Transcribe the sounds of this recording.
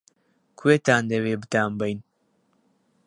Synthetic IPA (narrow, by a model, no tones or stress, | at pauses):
kʰuweːt̪aːnd̪ɐweːbɨt̪aːmbɐjn